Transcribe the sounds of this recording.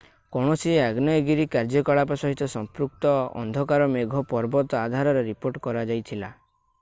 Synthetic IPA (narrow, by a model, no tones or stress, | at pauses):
kɔɳ̃ɔsieaɡnɔeɡiɾikaɾd͡ʒɔkɔɭapasɔɦit̪ɔsɔmpɾuk̚t̪ɔɔ̰nd̪ʱɔkaɾɔmeɡʱɔpɔɾbɔt̪ɔad̪ʱaɾɔɾeɾipoɾʈkɔɾad͡ʒajt̪ʰila